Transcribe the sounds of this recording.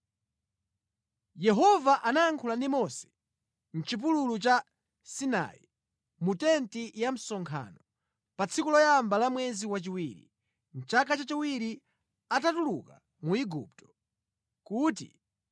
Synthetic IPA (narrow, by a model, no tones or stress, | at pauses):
jɛɦɔvaʔanaaŋkʰulandimɔsɛ̥ | n̩t͡ʃip̬ululut͡ʃa | sina̰ḭ | mutɛntijam̩sɔŋkʰa̰nɔ | pat͡sʰikulɔjambalamwɛziwat͡ʃiwiɾḭ | n̩t͡ʃakat͡ʃat͡ʃiwiɾi | atatulṵka | muiɡṵp̚tɔ̥ | kuːt̬ḭ